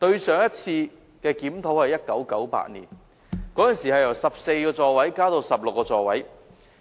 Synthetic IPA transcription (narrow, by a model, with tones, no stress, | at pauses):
t̪ɵ˧ɥsœː˨˧ŋjɐ˥t̚t͡sʰiː˧ | kɛː˧kiː˨˥mt̪ʰo˨˥whɐ˨˩jɐ˥t̚kɐ˨˥wkɐ˨˥wpa̰ː˧t̚nḭː˨˩n | kɔː˨˥jɐ˨nsiː˨˩hɐ˨˩jɐ˨˩wsɐ˨p̚se˧jkɔː˧t͡sɔː˨wɐ˨˥jkaː˥t̪o˧wsɐ˨p̚lkːɔː˧t͡ʃɔː˨wɐ˨˥j